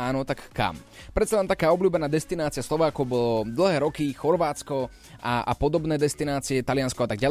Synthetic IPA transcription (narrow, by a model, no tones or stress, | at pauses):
aːnɔt̪akːa̰mpɾɛt̪salɛmt̪akaːɔblʲuːbɛnaːd̪ɛst̪inaːt͡siaslɔʋaːkɔʊbɔlɔd̪l̩ˠɦɛːɾɔkixɔɾʋaːt̪t͡skɔ | ʔa̰a̰pɔd̪ɔbnɛːd̪ɛst̪inaːt͡siɛt̪alɪanskɔat̪aɡɟa